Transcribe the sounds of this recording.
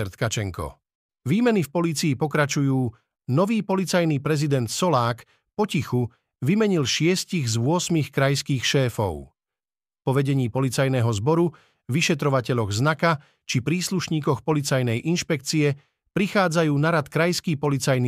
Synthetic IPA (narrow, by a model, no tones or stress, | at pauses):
ɛɾt̪kat͡ʃɛŋkɔ̰ | ʋiːmɛnifpɔliːt͡siːpɔkɾat͡ʃujuː | nɔʋiːpɔlit͡sajniːpɾɛzid̪ɛnt̪sɔlaːk | pɔcixu | ʋimɛɲilʃɪɛsciɣzʋʊɔsmixkɾajskiːxʃɛːfɔ̰ʊ | pɔʋɛɟɛɲiːpɔlit͡sajnɛːɦɔzbɔɾu | ʋiʃɛt̪ɾɔʋacɛʎɔɣznaka | t͡ʃipɾiːsluʃɲiːkɔxpɔlit͡sajnɛjʔinʃpɛk̚t͡siɛ | pɾixaːd͡zajuːnaɾat̪kɾajskiːpɔlit͡sajni